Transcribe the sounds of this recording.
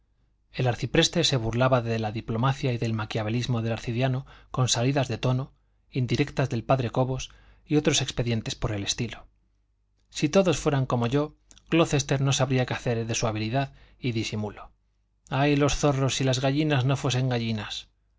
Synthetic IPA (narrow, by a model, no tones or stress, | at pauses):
e̞laɾθipɾe̞st̪e̞seβ̞uɾlaβaðe̞laðiplo̞maθjaiðe̞lmakjaβelizmo̞ðe̞laɾθiðjano̞ko̞nsaliðazðet̪o̞no | ind̪iɾe̞kt̪azðe̞lpaðɾe̞ko̞βo̞s | io̞t̪ɾo̞se̞kspe̞ðje̞nt̪e̞spo̞ɾe̞le̞st̪ilo̞ | sit̪o̞ðo̞sfwe̞ɾaŋko̞mo̞ʝo̞ | klo̞θe̞st̪e̞ɾno̞saβɾiakeaθe̞ɾðe̞suaβ̞iliðaðiðisimulo̞ | ajlo̞sθo̞ro̞silazɣaʝinazno̞fwe̞se̞ŋɡaʝinas